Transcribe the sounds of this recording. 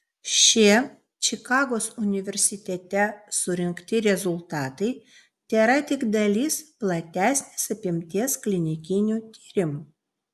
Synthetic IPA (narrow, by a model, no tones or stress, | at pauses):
ʃʲi | t͡ʃʲɪkɑːɡoːsʊnʲɪʋʲɛɾʲsʲɪt̪ʲɛt̪ʲɛsʊɾʲɪŋkt̪ʲɪɾʲɛzʊlˠt̪ɑːt̪ɐɪ | t̪ʲeːɾɐt̪ʲɪɡd̪ɐlʲiːsplˠɐt̪ʲæːsʲnʲeːsɐpʲɪmʲt̪ʲiɛsklʲɪnʲɪkʲɪnʲuːt̪ʲiːɾʲɪm